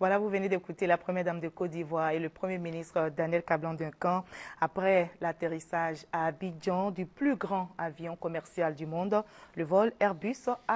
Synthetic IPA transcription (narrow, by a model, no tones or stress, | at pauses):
vwalavuvəned̪ekut̪elapχəmjɛʁd̪amd̪əkɔt̚d̪ivwaʁeləpχəmjeminist̪χəd̪anjɛlkablɑ̃d̪ɛ̃kɑ̃apʁɛlat̪eʁisaʒaːbid͡ʒɑ̃d̪yplyɡʁɑ̃avjɔ̃kɔmɛʁsjald̪ymɔ̃d̪ləvɔlɛʁbysa